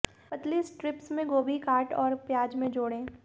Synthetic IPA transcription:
pɐt̪lisʈɾɪpsmẽɡoːbʱikaːɾʈɔːɾpjaːd͡ʒmẽd͡ʒoːɽẽː

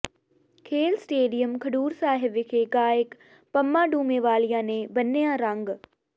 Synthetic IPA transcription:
kʰeːlsʈeːɖijəmkʰɐɖuːɾsaːɦɪʋkʰeːɡaːjɪk | pɐmːaːɖuːmeːʋaːlijãːnẽːbɐnːejãːɾãŋɡ

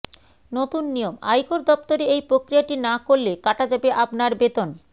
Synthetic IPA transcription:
not̪unːijoma̰jkoɾd̪ɔpt̪oɾeejpɾokɾijaʈinakollekaʈad͡ʑabeʔapnaɾbet̪on

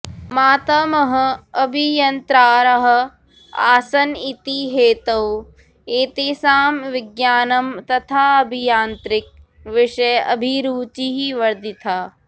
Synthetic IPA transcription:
maːt̪ɐmɐɦɐ̆ɐbʱijɐnt̪ɾaːɾɐɦɐ̆ | aːsɐnit̪iɦeːt̪ɐw | eːt̪isaːmʋɪɡjaːnɐmt̪ɐt̪ʰaːɐbʱijaːnt̪ɾɪk̚ | ʋɪʂɐjʔɐ̰bʱiɾuːt͡ʃiɦiʋɐɾd̪it̪ʰaː

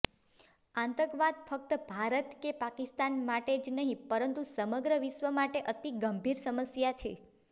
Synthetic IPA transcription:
ãnt̪əɡʋad̪̚fʰək̚t̪əbʱaɾət̪kepakist̪anmaʈed͡ʒnəɦĩpəɾənt̪usəməɡɾəʋiʃʋəmaʈeʔət̪iɡəmbʱiɾsəməsjat͡ʃʰe

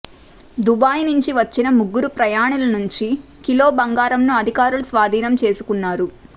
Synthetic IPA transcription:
d̪ubaːjnuɲt͡ʃiʋɐt͡ʃːinɐmuɡːuɾupɾɐjaːɳulɐnuɲt͡ʃi | kilo̞ːbɐŋɡaːɾɐmnuɐd̪ʱikaːɾulusʋaːd̪ʱiːnɐmt͡ʃe̞ːsukunːaːɾu

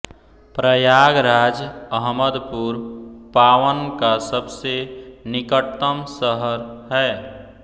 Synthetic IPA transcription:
pɾəjaːɡɾaːd͡ʒəɦməd̪puɾpaːwənkasəbsenɪkəʈt̪ːəmsəɦəɾɦɛː

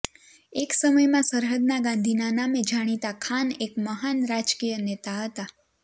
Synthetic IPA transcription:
eksəməjmãsəɾɦəd̪̚naɡãnd̪ʱinanamed͡ʒaɽ̃it̪akʰanekməɦanɾad͡ʒkijənet̪aɦət̪a

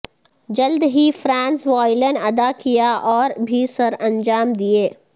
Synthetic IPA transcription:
d͡ʒɐld̪ɦifɾãːnsʋaːɪlənɐd̪akijaʔɔːɾbʱisɐɾɐ̃ɲd͡ʒaːmd̪ieː

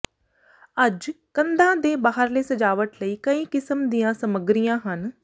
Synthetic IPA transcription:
əd͡ʒkənd̪ãːd̪eːbaːɦəɾleːsəd͡ʒaːʋəʈ̪ləiːkəĩːkɪsəmd̪ijãːsəməɡɾijãːɦən

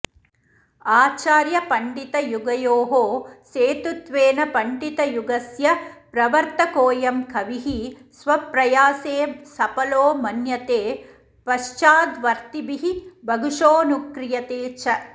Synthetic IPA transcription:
aːt͡ʃaːɾjɐpɐɳɖit̪ɐjuɡɐjoːɦoːseːt̪ut̪ʋeːnɐpɐɳɖit̪ɐjuɡɐsjɐpɾɐʋɐɾt̪ɐkoːjɐmkʰɐʋiɦisʋɐpɾɐjaːseːsɐpɐloːmɐnjɐt̪eː | pɐʃt͡ʃaːd̪ʋɐɾt̪ibiɦibʱɐɡʱuʂoːnukɾijɐt̪eːt͡ʃʰɐ

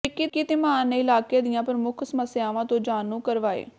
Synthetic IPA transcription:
ɪkːikit̪eːmãːneːɪlaːkeːd̪ɪjãːpəɾmʊkʰsəməsɪjaːʋãːt̪õːd͡ʒaːnũːkəɾʋaːḛː

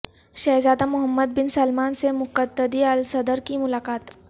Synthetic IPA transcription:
ʃɐɦzaːd̪amʊɦəmːəd̪̚bɪnsɐlmaːnsemʊkət̪ːəd̪iɐlsɐd̪əɾkimʊlaːqaːt̪

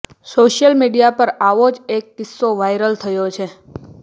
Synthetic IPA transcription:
soʃjəlmiɽijapəɾaʋod͡ʒek̚ːɪsːoʋajɾəlt̪ʰəjot͡ʃʰe

